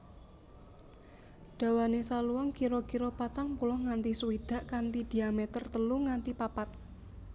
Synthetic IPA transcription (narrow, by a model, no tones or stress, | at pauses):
ɖ̥a̤wanesaluwɔŋkiɾokiɾopat̪aŋpulɔhŋant̪isuwid̪̥a̤ʔkant̪id̪̥i̤amɛt̪ərt̪əluŋant̪ipapat̪̚